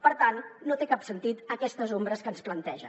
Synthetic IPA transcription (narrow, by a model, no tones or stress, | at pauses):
pəɾt̪anːot̪ekapsənt̪it̪əkɛst̪əzombɾəskənsplənt̪ɛʒə̰